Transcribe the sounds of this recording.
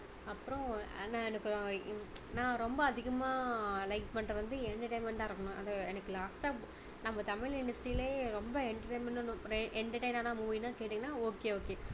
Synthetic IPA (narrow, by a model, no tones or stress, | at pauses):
ɐpːɯɾõnãːɛnɐkːɯ | nãːɾɔmbɐɐðɪɣɐmaːlɐɪkpɐɳɐʋɐnd̪ɯɛɳʈɐɾʈɐːnmɛɳʈaːɪɾɯkːɐɳʊ̃ʔɐ̰ðɐɛnɐkːɯlaːsʈaː | nɐmbɐt̪ɐmɪlɪɳɖɐsʈɾiːleːɾɔmbɐɛɳʈɐʈːmɛɳnʔɛɳʈɐɾʈɐɪnaːnaːmuːʋinaːkeːʈːɯŋɡɐnːaːoːkːeːoːkːeː